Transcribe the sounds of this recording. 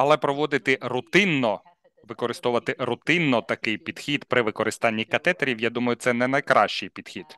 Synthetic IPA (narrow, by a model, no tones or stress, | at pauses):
ɐlˠɛpɾɔʋɔd̪ɪt̪ɪɾʊt̪ɪnːɔ | ʋɪkɔɾɪst̪ɔʋɐt̪ɪɾʊt̪ɪnːɔt̪ɐkɪjpʲid̪xʲid̪pɾɪʋɪkɔɾʔɪst̪ɑnʲːikɐt̪ɛt̪ɐɾʲiwjad̪umɐjʊt̪sɛnɛnɐjkɾɑʃt͡ʃɪjpʲid̪̥xʲid̪̥